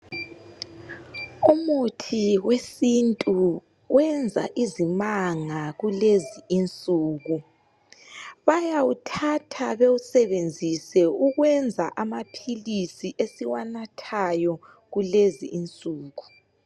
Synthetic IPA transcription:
umutʰiwesintʼu | wɛnd͡zʱa̰ʔizimaŋaɣuleziint͡sʼuːɣu | βajawutʰatʰaβeusɛβend͡zʱisɛuɣwɛnd͡zʱaʔamapʰilisiʔesiwanatʰajɔ | ɣulezḭːnt͡sʼuːɣu

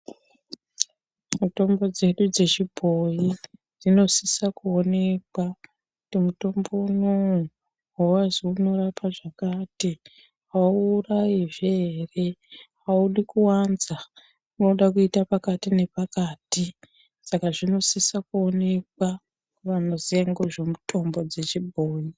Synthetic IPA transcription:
muto̞mbo̞d͡ze̞ɗud͡ze̞t͡ʃibʱo̞ji | d͡zino̞sisakuo̞ne̞kwa | kkutimuto̞mbo̞unou | wawaziuno̞rapʰaʐakaːti | ɦauːrajiʐeere̞ | auɗikuwanza | unoɗakuitapakatine̞pakaːti | sakaʐino̞sisakuo̞ne̞k̚wa | ʋanozieŋɡoʐe̞mutʰo̞mbo̞d͡ze̞t͡ʃibʱoːji

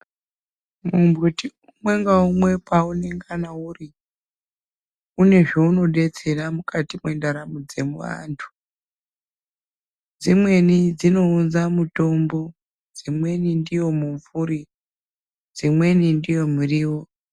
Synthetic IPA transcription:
mumbutiumwe̞ŋɡaumwe̞paune̞ŋɡanauri | une̞ʐo̞uno̞ɗe̞t͡se̞ramukatimwendaɾamud͡ze̞muʋa̰ntʰu̥ | d͡zimwe̞nid͡zino̞unzamuto̞mbo̞ | d͡zimwe̞nindijo̞muɱfuɾi | d͡zimwe̞nindijo̞muriːwo

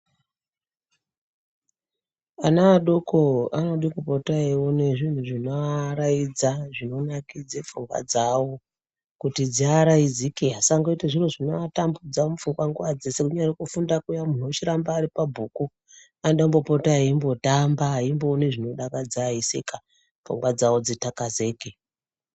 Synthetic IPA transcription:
anaɗokoanoɗikupotaiwo̞ne̞ʐin̤uʐinoaɾaid͡zaʐino̞nakid͡zefuŋɡwa̰d͡zawo̞ | kutid͡ziaɾaid͡zikeɦasaŋɡoitaʐiroʐinoatambud͡zamufuŋɡwaŋɡuʋad͡ze̞se̞kuɲarekufundakujamun̤uot͡ʃiɾambaːɾipabʱuːku | anɗombopo̞taɦaimbo̞tambaɦaimboːneʐino̞ɗakad͡zaisḛka | fṵŋɡwad͡zawod͡zitakaze̞ːke

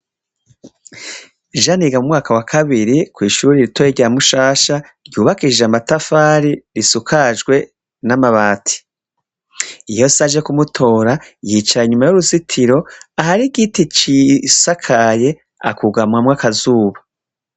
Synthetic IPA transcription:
ʒaniɡamumŋaːkawakʰaβiɾikwiːʃuɾiɾitojeɾɟaamuʃaːʃa | ɾɟuːβakid͡ʒeamatafaːɾiɾisukʰaʒɡwe̞ | namaβaːtʰi̥ | ijo̞saʒe̞kumutʰo̞ːɾajit͡ʃaɾaiɲumajuɾuzitʰiɾo̞aɦaɾiɡitit͡ʃisakʰaje̞ | a̰kuɡamwamŋaːkazuːβa

